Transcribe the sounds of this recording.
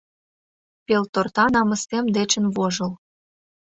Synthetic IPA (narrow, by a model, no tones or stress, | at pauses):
pelt̪ort̪ɑnɑmə̆st̪emd̪et͡ɕə̆nβoʒɤ̆l